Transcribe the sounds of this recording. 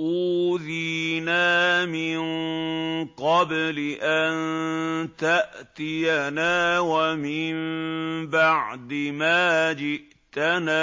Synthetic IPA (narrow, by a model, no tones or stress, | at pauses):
ʔuːðinaːmɪnŋ | qɑblɪʔant̪aʔt̪ɪjanaːwamɪmbaʕd̪ɪmaːd͡ʒɪʔ | t̪anaː